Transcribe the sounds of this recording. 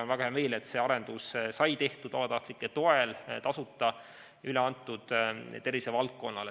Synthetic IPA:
onvæɡɑheɑme̞ːle̞t̪se̞ːɑɾe̞nd̪ussɑjt̪e̞ht̪ud̪̥ɑbɑt̪ɑht̪likːˑet̪o̞elt̪ɑsut̪ːˑɑ | yleɑnt̪ːˑud̪̥t̪e̞ɾvisevɑlt̪̚ko̞nːɑle

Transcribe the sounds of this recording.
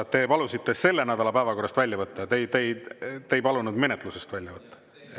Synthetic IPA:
t̪ːe̞pɑlusit̪ːe̞se̞lːe̞næd̪̥ɑlɑpæevɑko̞rːɑst̪vælʲjɑvɤt̪ːɑt̪ejt̪ejt̪ejpɑlunud̪me̞net̪lusest̪vælʲjɑvɤt̪ːɑ̥

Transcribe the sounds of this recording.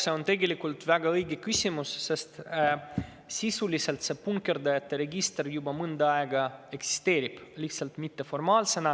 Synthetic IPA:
se̞o̞nt̪e̞ɡe̞likːˑult̪væɡ̥ɑɤjɡekysʲimusːest̪ | sisulise̞lt̪se̞punke̞rd̪ɑjɑt̪ːe̞ɾe̞ɡist̪erjubɑmɯnd̪ɑɑeɡɑe̞ksi̥st̪e̞ːɾib̥liht̪sɑlt̪mit̪ːe̞fo̞rmɑːlse̞nɑ

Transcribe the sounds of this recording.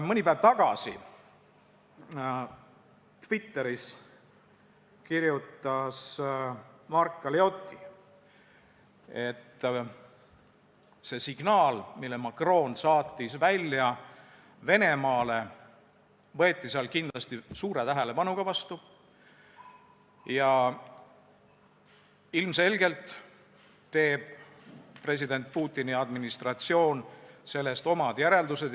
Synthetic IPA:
mɤnʲipæeb̥t̪ɑɡ̥ɑ̰sḭ | t̪vit̪ːe̞ɾis | kiɾjut̪ːˑɑs | mɑrkːɑleo̞t̪ːi | e̞t̪ː | se̞siɡ̥nɑːlmilːemɑkro̞ːnsɑːt̪ˑːisvælʲjɑ | ve̞ne̞mɑːle̞ | vɤet̪ːiseɑlkind̪̥lɑst̪isuːɾe̞t̪æɦele̞pɑnuɡ̥ɑvɑst̪u | jɑ | ilmse̞lɡe̞lt̪ː | e̞ːb̥ | pre̞s̬id̪̥e̞nt̪̚puːt̪ːˑiniɑd̪minist̪rɑt̪sio̞ːnse̞lːe̞st̪o̞mɑd̪̥jæɾe̞ld̪use̞d̪

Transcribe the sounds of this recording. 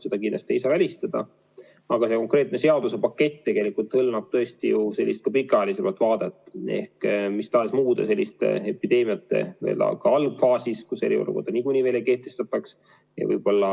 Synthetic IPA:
sed̪ɑk̬ind̪l̥ɑst̪ieisɑvælʲist̪ɑd̪̥ɑ̰ | ɑɡ̥ɑse̞ko̞ŋkre̞ːt̪ne̞se̞ɑd̪usepɑkːe̞t̪ʲːt̪ːe̞ɡ̥e̞likult̪hɤlmɑb̥̚t̪ɤ̞est̪ijuse̞lʲːist̪̚kɑpikːˑɑelʲisemɑlt̪ːˑvɑːd̪̥et̪ːˑe̞̰hkmist̪ɑːsmuːd̪̥ese̞lʲːist̪ḛepːid̪̥e̞ːmiɑt̪ːˑe̞̰vḛːlɑ̰kɑɑlb̥fɑːsiskuse̞ɾḭolʔṵko̞rd̪̥ɑnikunʲive̞ːleike̞ht̪e̞st̪ɑt̪ːˑɑks | jɑ̰vɤ̰jb̥o̞lːɑ

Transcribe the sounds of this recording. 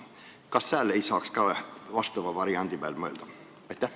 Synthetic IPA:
kɑst̪æːlːejsɑːkskɑvɑst̪ɑʋɑvɑɾiɑnd̪ib̥æːlmɤeld̪̥ɑ | ɑjt̪ːæh

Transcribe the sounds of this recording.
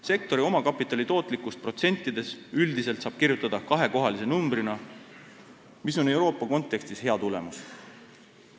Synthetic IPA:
se̞k̚t̪o̞ɾio̞mɑkɑpːˑit̪ːˑɑlit̪o̞ːt̪ˑlikːˑust̪̚pro̞t̪se̞nʲt̪ːˑid̪̥e̞syld̪ise̞lt̪sɑːb̥kirjut̪ːˑɑd̪̥ɑkɑɦe̞ko̞ɦɑlise̞numbrinɑ | miso̞ne̞wɾo̞ːpˑːɑko̞nt̪ːˑe̞kst̪ishe̞ɑt̪ule̞mus

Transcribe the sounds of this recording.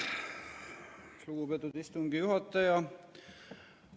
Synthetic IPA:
luɡ̥upet̪ːˑud̪̥ist̪uŋɡ̥ijuɦɑt̪ːˑɑjɑ

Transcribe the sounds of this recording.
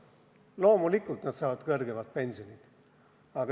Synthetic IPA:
lo̞ːmulikːˑult̪nɑd̪sɑːvɑd̪kɤrɡemɑt̪̚pe̞nʲsionid̪̥ | ɑɡ̥ɑ

